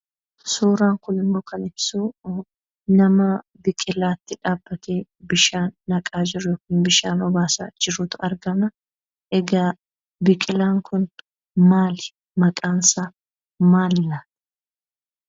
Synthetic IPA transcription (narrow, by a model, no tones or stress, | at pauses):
suːɾaːŋkʊnɪmːo̞ːkɐnɪb̥suː | nɐmɐ | bɪkʼɪlaːt̪ːɪᶑaːbːɐt̪eːbɪʃaːnːɐkʼaːd͡ʒɪɾʊjɔːkiːnbɪʃaːnwɔbaːsa̰ːd͡ʒɪɾʊːt̪ʊɐɾɡɐmɐ | ʔɛɡaː | bɪkʼɪlaːŋkʊn | maːlɪ̥ | mɐkʼaːnsaː | maːlːa